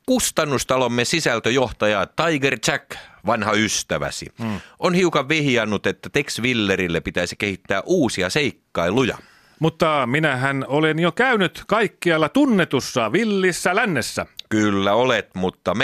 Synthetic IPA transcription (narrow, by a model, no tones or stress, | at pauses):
kust̪ɑnːust̪ɑlomːesisælt̪øjoht̪ɑjɑt̪ɑiɡert͡ʃækʋɑnhɑyst̪æʋæ̰sḭonhiukɑʋʋihiɑnːut̪et̪ːæt̪eksʋilːeɾilːepit̪æisikehit̪ːæːʔuːsiɑseikːɑilujɑ̰ | mut̪ːɑminæhænolenjokæynyt̪kɑikːiɑlːɑt̪unːet̪usːɑʋilːisːælænːesːækylːæolet̪mut̪ːɑm